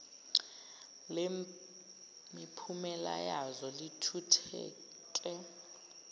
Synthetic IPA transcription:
le | mipʰumɛla̰jazɔlitʰutʰɛ̰ | kʼɛ

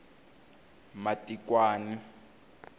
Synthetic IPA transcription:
matʼikwaːni

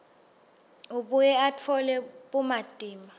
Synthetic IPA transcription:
uɓujɛatʰɔlɛɓumad̥ʼiːma

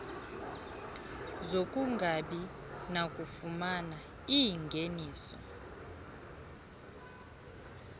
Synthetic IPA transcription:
zokʼuŋɡʱaɓinakʼufumana | iŋɡʱeniːsɔ̰

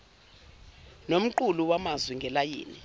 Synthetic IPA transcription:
nom̩ǃuluwamazwiŋɡʱɛlajḭːni

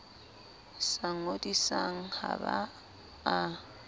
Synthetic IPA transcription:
saŋ̩odisaŋ̩ha̰ba | a

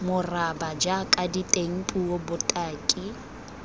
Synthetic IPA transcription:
mʊrabad͡ʒakʼaditʼeŋ̩pʼuwobʊtʼaːkʼi

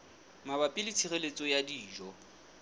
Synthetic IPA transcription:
mabapʼilitʰiɣelet͡sʼɔjadiːʒɔ

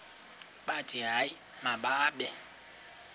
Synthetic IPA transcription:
ɓadiɦai | maɓaːɓɛ

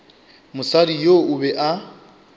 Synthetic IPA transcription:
mʊsadijoʊbɛʔa

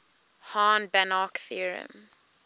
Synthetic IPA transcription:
hɑ̃ːnbanɑkθiəɹə̰̃m

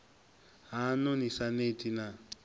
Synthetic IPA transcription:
ɦanʊnisanetʼina

